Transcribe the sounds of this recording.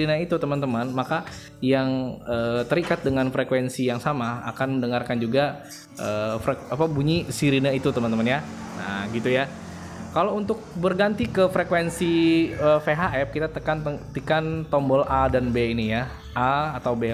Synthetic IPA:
inait̪ut̪əmənt̪əmanmaka | jaŋəːt̪əɾikat̪̚dəŋanfɾekwensijaŋsamaa̰kanməndəŋarkand͡ʒuɡa | ʔəːfekapabuɲisiɾinait̪ut̪əmənt̪əmənja | na̰ɡit̪uja | kalount̪ʊk̚bərɡant̪ikəfɾekwensiəfeɦaʔɛp̚kit̪at̪əkanət̪ikant̪ɔmbɔlʔadanbeinija | ʔaːt̪awbe

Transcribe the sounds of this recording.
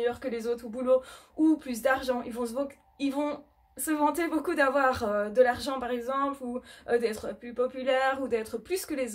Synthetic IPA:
jœʁkəlezot̪χubulouplys̬d̪aʁʒɑ̃ilvɔ̃s | ilvɔ̃ | səvɑ̃t̪ebokud̪avwaʁød̪əlaʁʒɑ̃paʁɛɡzɑ̃pluød̪ɛt̪χəplypɔpylɛʁud̪ɛt̪χəplyskəlez

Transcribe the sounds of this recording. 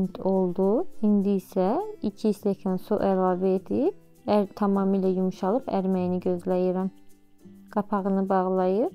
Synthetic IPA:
nt̪ʰo̞lˠd̪uhind̪iːsæicʰist̪ɛcʰænsuʔælˠɑːvɛed̪i | æɾt̪ʰɑmɑːmiːlæjumuʃɑlˠɯpʰæ̰ɾmæjiniɟø̞zlæjiɾæm | ɡ̥ɑpʰɑɣɯnɯbɑʁlˠɑjɯɾ

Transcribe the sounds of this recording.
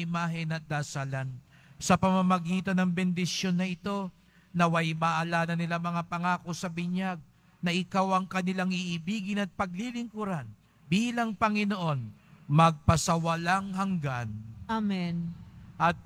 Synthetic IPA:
ɪmaːɦɪnɐt̪̚d̪aːsalan | sɐpɐmamɐɡiːt̪ɐnɐŋbɛnd̪ɪsjo̞nːɐʔɪt̪o̞ | nɐwɐjmaʔɐlaːnɐnɪlamɐŋapɐŋaːko̞sɐbɪɲaɡ̚ | nɐʔɪkawɐŋkɐnɪlaŋɪʔːbiːɡɪnɐt̪̚pɐɡ̚lilɪŋkuɾan | biːlɐŋpɐŋɪnoʔo̞nmɐɡ̚pɐsɐwɐlaŋhɐŋɡanamɛnʔɐt̪̚

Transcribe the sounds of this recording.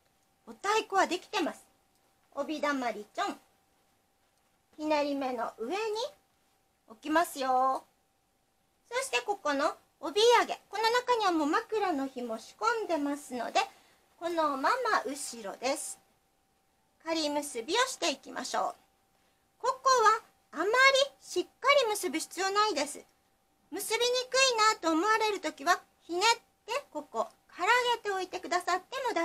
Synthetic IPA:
o̞t̪aekɯβad̪e̞kʲi̥t̪e̞masɨ̥ | obʲid̪amaɾʲit͡ɕõ̞ŋ | hinaɾʲime̞no̞ʔɯ̟e̞ɲ̟i | o̞kʲimasɨjoː | so̞ɕi̥t̪e̞ko̞ko̞no̞ː | bʲiaɡe̞̰ko̞no̞nakaɲ̟iβamo̞makɯ̟ɾano̞çimo̞ɕi̥kõ̞nd̪e̞masɨno̞̰d̪e̞ | ko̞no̞mamaʔɯ̟ɕiɾo̞̰d̪e̞sɨ̥ | kaɾʲimɯ̟sɨbʲio̞ɕi̥t̪e̞ikʲimʔa̰ɕo̞̰ː | ko̞ko̞βaː | maɾʲiɕikːaɾʲimɯ̟sɨbʲiɕi̥t͡sɨjo̞naid̪e̞sɨ̰ | mɯ̟sɨbʲiɲ̟ikɯ̟inat̪o̞ːmo̞βaɾe̞ɾɯ̟t̪o̞kʲiβa | çine̞t̪ːe̞ko̞ko̞kaɾaɡe̞t̪e̞o̞it̪e̞kɯ̟d̪asat̪ːe̞mo̞d̪a

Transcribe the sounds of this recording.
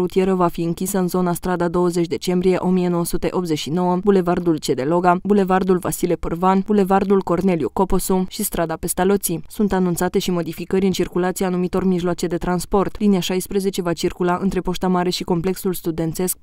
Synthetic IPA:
ɾut̪ije̞ɾəvafiɨŋkʲisəɨnzo̞nast̪ɾad̪ad̪o̞wəze̞t͡ʃʲd̪e̞t͡ʃe̞mbɾije̞ʔo̞mie̞no̞wəsut̪e̞ʔo̞pt̪ze̞t͡ʃʃino̞wəbule̞vard̪ult͡ʃe̞d̪e̞lo̞ɡabule̞vard̪ulvasile̞pɨrvanbule̞vard̪ulko̞rne̞ljuko̞po̞suʃist̪ɾad̪ape̞st̪alot̪sisunt̪anunt̪sat̪e̞ʃimo̞d̪ifikəɾʲɨnt͡ʃirkulat̪siaːnumit̪o̞rmiʒloat͡ʃe̞d̪e̞t̪ɾanspo̞rt̪liniaʃajspɾeze̞t͡ʃe̞vat͡ʃirkulaʔɨ̰nt̪ɾe̞po̞ʃt̪amaɾe̞ʃiko̞mple̞ksulst̪ud̪e̞nt̪e̞sk̚

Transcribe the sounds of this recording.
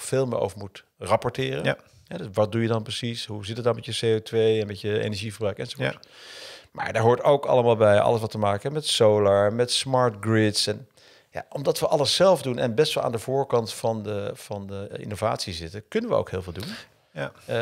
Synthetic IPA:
fɪːlˠmə̰ʔo̰wvəɹmut | rɑpɔɹtɪːrə | ɦɛʋɑt̚dujədɑnprəsisɦuzɪtətdɔɹmɛtjəseotʋejɛnmɛtjəḛjnɛʒivəɹbrœɥkɛnzovː | ma̰ːɹdaɹɦʊːɹtowkɑ̰ləmaːlˠbɛjɑ̰ləsʋɑtəmaːkəɛmɛtsowlaɹmɛtsmɑɹtɡɹɪtsɛn | ja̰ʔɔmdɑtʋəʔɑləsːɛlˠfdunɛ̰nbɛstʋɛlˠa̰ːndəvʊːɹkɑntfɑndəfɑndəʔɪ̰novaːtsizɪtəkɵnənʋə̰o̰wkɦɪːlˠvɪːlˠdun

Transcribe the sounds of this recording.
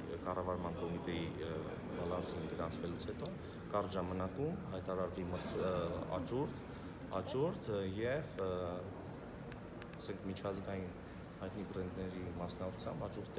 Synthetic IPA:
kɑrɑvɑɾmɑnkɔmit̪ɛji | bɑlɑsinɡəɾɑnt͡sʰvɛlut͡sʰhɛt̪ɔ | kɑɾʒɑmɑnɑkumɦɑjt̪ɑɾɑɾvimə | ɑ̰t͡ʃuɾt̪ | ɑt͡ʃuɾt̪jɛv | ɑsɛŋkʰmit͡ʃʰɑzɡɑjin | hɑjt̪niɡɾɛnd̪nɛɾimɑsnɑkʰu̥t͡sʰjɑmbɑt͡ʃuɾt̪ʰ

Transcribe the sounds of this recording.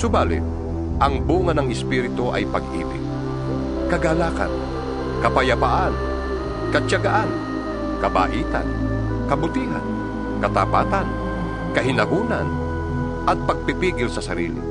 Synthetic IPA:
sʊbaːlɪ̰t̪̚ | ʔɐŋbuːŋanɐŋɪspiːɾɪt̪oʔɐ̰jpaɡʔḭːbɪ̰ɡ̚ | kɐɡalaːka̰n | kɐpajapaʔan | kɐt͡ʃaɡaʔan | kɐba̰ːʔiːt̪a̰n | kɐbʊt̪iːɦa̰n | kɐt̪apaːt̪an | kɐɦɪnaɡuːnan | ʔɐt̪̚pɐɡ̚pɪpiːɡɪlsɐsɐɾḭːlɪ̰

